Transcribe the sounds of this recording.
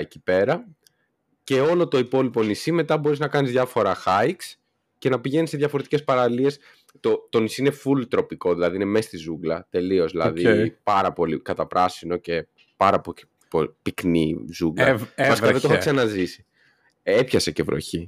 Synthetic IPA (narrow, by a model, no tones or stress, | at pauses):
eci̥pe̞ɾɐ | ce̞o̞lo̞t̪o̞ipo̞lipo̞nisime̞t̪ɐbo̞ɾiznɐkɐnizðʝɐfo̞ɾɐxɐiks | ce̞nɐpiʝe̞niseðjʝɐfo̞ɾe̞t̪icespɐɾɐlie̞s | t̪o̞t̪o̞nisiine̞fult̪ɾo̞piko̞ðilɐðiinemest̪izuɡlɐt̪e̞lio̞zðilɐðipɐɾɐpo̞likɐt̪ɐpɾɐsino̞ce̞ | pɐɾɐpoi | popiknḭzuɡlɐ̰ɐsɐðeoɐsɐnɐzisi̥ | epçɐse̞ce̞vɾo̞̰çi